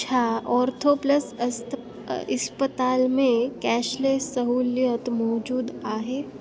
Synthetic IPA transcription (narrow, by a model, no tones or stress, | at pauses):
t͡ʃʰaːɔːɾt̪ʰoːpləs | ɪ̰spət̪aːlmẽkɛːʃlesɐɦuːljət̪mɔːd͡ʒuːd̪aːɦeː